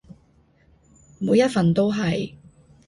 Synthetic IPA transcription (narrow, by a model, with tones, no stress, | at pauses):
muː˨˧jɐ˥t̚fɐ˨nt̪o˥wɦɐ˨j